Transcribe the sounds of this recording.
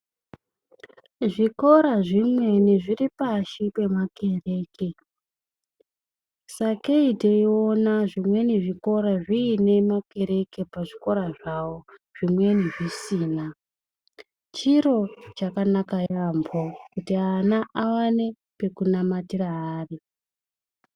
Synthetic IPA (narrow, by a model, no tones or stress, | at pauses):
ʐiko̞ɾaʐimwe̞niʐiripaʃipe̞make̞re̞ːke | sakeideionaʐimwe̞niʐiko̞ɾaʐiːne̞make̞ɾe̞ke̞paʐiko̞ɾaʐawo̞ʐ̥imwe̞niʐisiːna | t͡ʃiɾo̞t͡ʃakanakajambʰʱokutianaawane̞ | pe̞kunamatiraɦaːri